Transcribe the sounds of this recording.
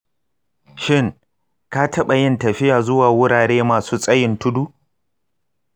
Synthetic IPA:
ʃɪ˦˨ŋ | ka˦tʰɐ˦ɓɐ˨jɪ˦ntɐ˨ɸɪ˦jaː˨zʊ˦waː˨wʊ˦ɽaː˨ɽeː˦maː˨suː˦sʼɐ˦jɪ˨ntʊ˦duː˦ʔ

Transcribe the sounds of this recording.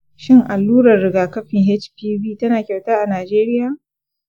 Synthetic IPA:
ʃɪ˦ŋʔa˨lːuː˦ɾɐ˨rːɪ˨ɡaː˨kɐ˦ɸɪ˨ŋɦɛ˦t͡ʃpiː˦biː˦˨tɐ˦naː˨kʲɛ˨wtaː˦ʔa˨naː˨d͡ʒeː˦ɾɪ˦jaː˨

